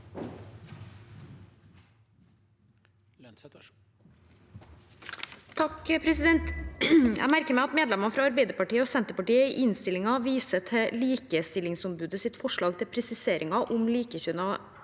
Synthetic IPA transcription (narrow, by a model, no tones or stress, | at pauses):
t̪ʰɑkəpʰɾɛsɪd̪ɛnt̪jʔæ̰ɡmæɾkəɾmɛɪɑt̪meːd̪lɛmɑfɾɑːɑɾbeɪd̪əɾpɑʈiːəoːsɛnt̪əɾpɑʈiːəɪʔɪnst̪ɪlɪŋɑʋiːsət̪ʰɛliːkəst̪ɪlɪŋsʊmbʉːd̪əsɪt̪fɔʂɭɑːɡt̪ʰɪlpʰɾɛsɪseːɾʔɪŋɑʔʊmliːkəçʉnɑ